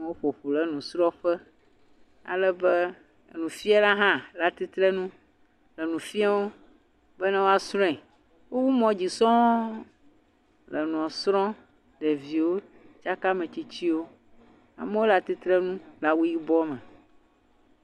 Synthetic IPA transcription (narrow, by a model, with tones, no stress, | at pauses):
wo˦ɸo˨ɸu˨lɛ˨nũ˨sɾɔ̃˦ɸɛ˦ | a̰˨lɛ˦bɛ˦˨ | nũ˨fi˦a˦la˦ɦã˦la˨t̪i˦t̪ɾɛ˦nũ˦ | lɛ˨nũ˨fi˦a˦wo˦ | bɛ˦nã˦wo˦a˨sɾɔ̃˦ɛ̃˨ | wo˦wu˦mɔ̃˦d͡ʑi˨sɔ̃˦ | lə˨nũ˨ɔ̃˨sɾɔ̃˦ | ɖɛ˨vi˨wo˦ | t͡ʃa˦ka˦mɛ̃˨t͡ɕi˦t͡ɕi˦wo˦ | a̰˨me˦wo˦la˦t̪i˦t̪ɾɛ˦nũ˦la˨wu˦ji˦bɔ˦mɛ̃˨